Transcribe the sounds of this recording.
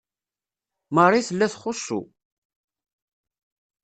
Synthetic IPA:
mərˤːiθəlːæθχʊsːṵ

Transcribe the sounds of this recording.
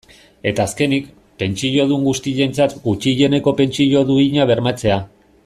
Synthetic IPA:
e̞t̪aːske̞nik | pe̞nt͡ʃiʎo̞ðuŋɡust̪iʎe̞nt͡sat̪ɡut͡ʃiʝe̞ne̞ko̞pe̞nt͡ʃiʎo̞ðuiɲaβ̞e̞ɾmat͡se̞a

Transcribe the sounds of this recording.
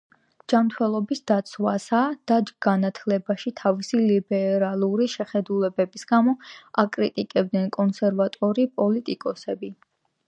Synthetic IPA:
d͡ʒ̥amt̪ʰwɛlˠɔbisd̪at̪sʰwasad̪̥aɡ̥anat̪ʰlɛbaʃit̪ʰavisilibɛɾalˠuɾiʃɛχɛd̪ulɛbɛbisɡamɔakʼɾit̪ʼikʼɛb̚d̪nɛnkʼɔnsɛɾvat̪ʼɔɾipʼɔlit̪ʼikʼɔsɛbi

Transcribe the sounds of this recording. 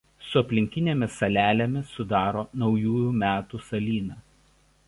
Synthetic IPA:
sʊɐpʲlʲɪŋʲkʲɪnʲeːmʲɪsɐlʲæːlʲemʲɪsʊd̪ɑːɾoːnɒʊjuːjuːˑmʲæːt̪uːsɐlʲiːnɑː

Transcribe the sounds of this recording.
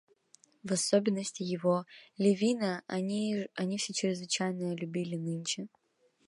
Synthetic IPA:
vɐsobʲɪnːəsʲtʲɪjɪvolʲɪvʲinəiɐnʲifsʲet͡ɕɾʲɪzvɨt͡ɕæjnəjəlʲʊbʲilʲɪnɨnʲt͡ʃɨ

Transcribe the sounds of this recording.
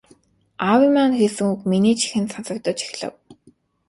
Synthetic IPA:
awimanxesɘ̆ŋukminiːt͡ɕʰi̥xɘ̆nsansə̆k̚t̪ə̆t͡ɕi̥x̆ɮə̰̆w

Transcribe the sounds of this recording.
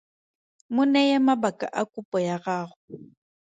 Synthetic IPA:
mʊnɛjɛmabakʼa̰ʔakʼupʼɔjaɣaːɣʊ

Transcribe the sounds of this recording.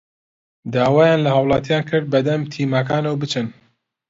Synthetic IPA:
d̪aːwaːjaːnlɐhɑwlˠɑːt̪jaːnkʰɨɾd̪̚bɐd̪ɐmt̪ʰiːmak̬aːnɐwbɨt͡ʃʰɨn

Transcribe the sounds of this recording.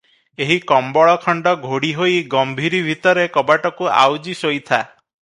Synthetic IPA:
eɦikɔmbɔɭɔkʰɔɳɖɔɡʱoɽiɦojɡɔmbʱiɾibʱit̪ɔɾekɔbaʈɔkua̰wd͡ʒisojt̪ʰa

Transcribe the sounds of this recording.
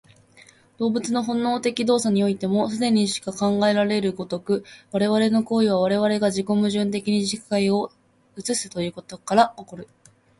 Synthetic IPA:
d̪̥o̞ːbɯ̟t͡sɨno̞ɦõ̞nːo̞ːt̪e̞kʲid̪o̞ːsaɲ̟io̞it̪e̞mo̞sɨd̪e̞ɲ̟iɕi̥kakãŋɡae̞ɾaɾe̞ɾɯ̟ɡo̞t̪o̞kɯ̟βaɾe̞βaɾe̞no̞ko̞ːiβ̞aβ̞aɾe̞βaɾe̞ɡaʑiko̞mɯ̟ʑɨ̃nt̪e̞kʲiɲ̟iʑikaio̞ | ɯ̟t͡sɨsɨ̥t̪o̞jɯ̟ːko̞t̪o̞kaɾaoko̞ɾɯ̟

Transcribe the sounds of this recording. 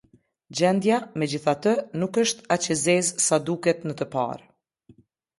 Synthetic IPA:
d͡ʑɛnd̪jamɛd͡ʑiθat̪ənukəʃt̪at͡ɕɛzɛzsad̪ukɛt̪nət̪əpa̰ɾ

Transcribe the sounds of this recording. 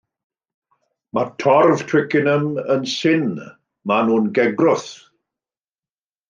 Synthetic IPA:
matʰɔrvtʰw̥ɪkɪnəmənsɪn | manuːnɡɛɡrʊθ

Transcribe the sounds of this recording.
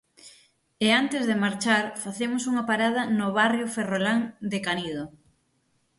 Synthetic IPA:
eant̪ezðemaɾt͡ʃaɾfaθemʊsuŋɐpaɾað̞ɐnoβarjoferolaŋd̪ekanið̞o

